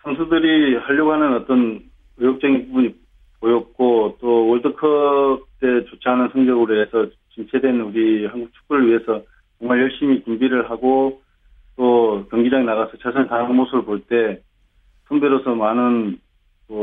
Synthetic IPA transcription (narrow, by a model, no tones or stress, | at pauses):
sʰamsʰudɯɾihaʎːoɡoɦanɯnʌt͈ʌn | ʌjok̚t͡ɕ͈ʌɡinpubuɲi | pojʌk̚k͈ot͈owʌɭdɯkʰʌb̚t͈e̞t͡ɕot͡ɕʰeanɯnsʰʌŋd͡ʑʌɡɯɾoesʰʌ | t͡ɕint͡ɕʰedwe̞nuɾiɦanɡuk̚t͡ɕʰu̥k͈̚uɾɯɭɥiɦe̞sʰʌ | t͡ɕʌŋmaɭjʌɭɕ͈imit͡ɕumbiɾɯɭɦaɡo | t͈okjʌŋɡid͡ʑaɡenaɣasʰʌt͡ɕʰasʰʌnetaɾɯnmosʰubɯɭpoɭt͈e̞ | sʰʌŋbeɾosʰʌmanɯn | ʌ